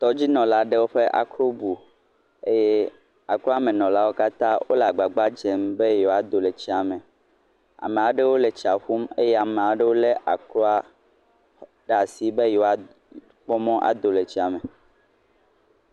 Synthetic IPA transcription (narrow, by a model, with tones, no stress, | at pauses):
t̪ɔ˦d͡ʑi˦nɔ̃˨la˦ɖe˦wo˦ɸe˦ʔa̰˨kɾo˦bu˨ | e˦je˦ | a˨klɔ˦a˦mẽ˨nɔ̃˨la˦wo˦ka˦t̪ã˦wo̰˦la˨ɡ͡ba˨ɡ͡ba˦d͡ʒɛ˨mbe˦jo˨a˨d̪o˨le˨t͡ɕi˦a˨mɛ̃˨ | a̰˨mẽ˨a˨ɖe˦wo˦le˨t͡ɕi˨a˨ɸu˦mḛ˦jɛ˦a˨mẽ˨a˨ɖe˦wo˦le˦ʔa˨klo˦a˦ | ɖa˨si˨˦be˦jo˨˦a˨ | k͡pɔ˦mɔ̃˦ʔa̰˨d̪o˨le˨t͡ɕi˦a˨mɛ̃˨